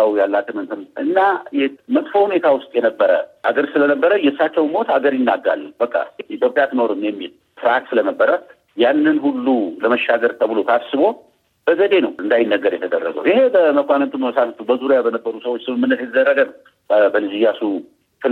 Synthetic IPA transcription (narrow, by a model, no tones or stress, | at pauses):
awjalːat͡ʃ̪ːɨmɨnt̪ʰɨnʔɨnːajɛmət̪ʼfohune̞t̪ʰawʊst̪ʼjɛnəbːəɾə̰ʔaɡəɾsɨlənəbːəɾəjɛsːat͡ʃːɛwnmo̞t̪aɡəɾjɪnːaɡːa̰lbəkʼːa̰it̪ʰjo̞pʼːjat̪ʰɨno̞ɾɨmːjɛmːil | t̪ʰɨɾaksɨləməbːəɾat | janːɨnhulːuləməʃːaɡəɾt̪ʰəβɨlo̞t̪ʰasɨβo̞ | b̥əɡəd̪e̞nəwɨnd̪ajɪnːəɡəɾjɛt̪ʰəd̪ərːə̰ɡə̰wjihe̞bəməkʷanənt̪umbəməsat̪ət̪ubəzuɾjabənəbːəɾusəwot͡ʃːsɨmɨmːɨnːət̪jɛt̪əzərːəɡən | bbəlizijasu | fɨ